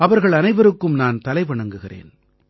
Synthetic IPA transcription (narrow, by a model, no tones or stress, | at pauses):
ɐʋɐɾɣɐɭɐnɐɪʋɐɾɯkːɯmnaːnt̪ɐlɐɪʋɐɳɐŋɡɯɣɪrḛːn